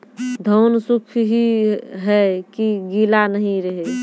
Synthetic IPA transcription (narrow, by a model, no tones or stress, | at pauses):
d̪ʱoːnsukʰɦiɦɛkiɡilanəɦĩɾəɦe